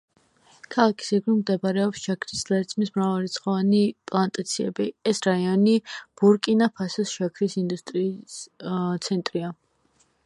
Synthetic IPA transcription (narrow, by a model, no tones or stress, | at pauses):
kʰalˠakʰi̥sɛɡɾimd̪ɛbaɾɛɔpsʃakʰɾislˠɛɾt̪sʰmismɾavalit̪sʰχɔvanipʼlˠant̪ʼat̪sʰiɛ̰biɛsɾaiɔnib̥uɾkʼinapʰasɔsʃakʰɾisind̪ust̪ʼɾiː | t̪sʰɛnt̪ʼɾia